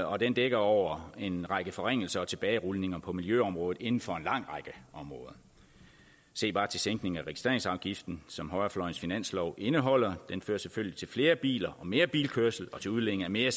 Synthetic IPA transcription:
ɒ̽d̥end̥eɡ̥ɐɒʊ̰ɐe̝nʁɑ̈ɡ̥əfɒ̽ʁeŋ̰l̩sɐɒ̽t͡sʰe̝b̥ɛːɪʁulne̝ŋɐpʰɒ̽miljøɒ̽mʁɔ̽ːð̩ˠe̝nn̩fɒ̽e̝nlɑ̈ŋ̰ʁɑɡ̥əɒ̽mʁɔːðˠɐ | se̝̰ːb̥ɑ̈ːt͡sʰe̝lseŋɡ̥ne̝ŋ̩æʁɛɡi̥sd̥ʁḛɐeŋsɑ̈ʊɡ̥ifd̥n̩sɒ̽mɦɒ̽ɪɐflɒɪn̩sfinæn̰slɒʊʔe̝nəɦɒ̽l̰ɐd̥enfø̰ːɐseføl̰jlit͡sʰe̝lfle̝ːɐb̥ḭːlɐʔɒ̽me̝ːɐb̥ḭːlkʰøɐsl̩ɒ̽t͡sʰe̝uð̞ˠleŋ̩æme̝ːɐ

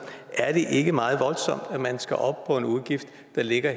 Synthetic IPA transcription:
ʔæɐd̥e̝ʔe̝ɡ̥əmɑ̈ːð̞̩ˠʋɒ̽lsɒ̽m̰d̥æmænsɡ̥æʔɒ̽b̥̚pʰɒ̽e̝nuðˠɡ̥ifd̥ːɑ̈le̝ɡ̥ɐ

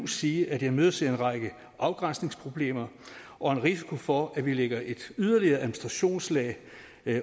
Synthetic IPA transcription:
siːʔæd̥jɑ̈ɪmøð̞ˠɐseenʁɑ̈ɡ̥ə | ʔɑ̈ʊɡ̥ʁɑnsne̝ŋspʰʁo̝b̥le̝̰ːmɐ | ʔɒ̽enʁis̬i̥kʰofɒ̽æʋileɡ̥ɐʔe̝d̥yð̞ˠɐliɐːʔæð̩ˠminisd̥ʁɑ̈ɕo̝̰ːnslɛ̰ː

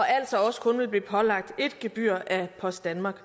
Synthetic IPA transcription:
ɒ̽æl̰sɒ̽ɒ̽sə̥kʰɔ̽nʋe̝lbliːpʰɒ̽lɑ̈ɡ̥̚d̥e̝d̥ɡ̥eb̥y̰ɐ̰ʔæpʰɒ̽sdd̥ænmɑ̈ːɡ̥

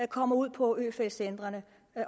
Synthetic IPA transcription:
kʰɒ̽m̰ɐuð̰ˠpʰɒ̽øːfesend̥ʁɐnə

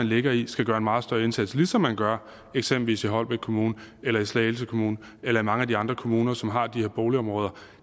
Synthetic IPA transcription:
ænle̝ɡ̥ɐisɡ̥æɡ̥ɶːɐe̝nmɑ̈ːð̞̩ˠsd̥ɶɐe̝nsæd̥slisɒ̽mːænɡ̥ɶɐ | eɡ̥semb̥l̩ʋḭːsiɦɒ̽l̰b̥e̥kʰo̝muːnəelɐislɛelsəkʰo̝muːnə | elɐimɑ̈ŋəædiɑ̈nd̥ʁɐkʰo̝muːnɐsɒ̽mɦɑ̈d̥ihe̝ɐ̰b̥oːʊliɒ̽mʁɔ̽ːðˠɐ

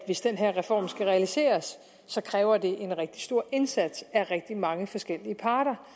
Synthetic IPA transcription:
ʋe̝sd̥enɦeɐʁɛfɒ̰ːmsɡ̥æʁɛælise̝̰ːɐsː | ɒ̽kʰʁɛːʊɐd̥e̝ʔe̝nʁɛɡ̥̚d̥i̥sd̥o̝ɐ̰e̝nsæd̥sæʁɛɡ̥̚d̥imɑ̈ŋəfɒ̽sɡ̥el̰iəpʰɑ̈ːɾ̥ɐ

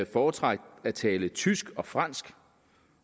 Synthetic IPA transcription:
fɒːt͡sʰʁɑ̈ɡ̥̚d̥æt͡sʰɛːlət͡sʰysɡ̥ɒ̽fʁɑn̰sɡ̥

